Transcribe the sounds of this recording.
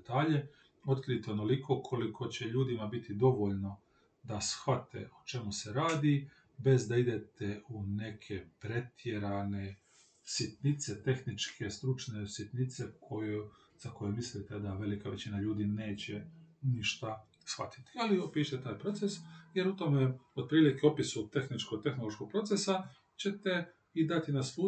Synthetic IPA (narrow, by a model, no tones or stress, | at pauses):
t̪aːʎe | o̞t̪kɾid̪it̪eonolikʰo̞kʰo̞likʰo̞t͡ɕe̞ʎuːd̪imabit̪ʰid̪o̞ʋo̞ʎno̞ | d̪asxʋat̪ʰḛot͡ʃe̞muse̞ɾaːd̪i | be̞zd̪aid̪e̞t̪eune̞kʰe̞pɾe̞t̪ʰjeɾane̞ | sit̪nit̪se̞t̪e̞xnit͡ʃkʰe̞st̪ɾut͡ʃne̞sjit̪nit̪se̞kʰoj | z̥ako̞jomislit̪ed̪aʋe̞likaʋe̞t͡ɕinaʎuːd̪ine̞ːt͡ɕeniʃt̪a | sxʋa̰t̪i̥t̪i̥aliopiːʃt̪et̪aːjpɾo̞t̪sesjeɾut̪o̞meod̪̚pɾiːlikeopisut̪e̞xnit͡ʃkoɡ̚t̪e̞xno̞lˠo̞ʃkoɡ̚pɾo̞t̪sesa | t͡ɕe̞t̪e | id̪at̪inasluː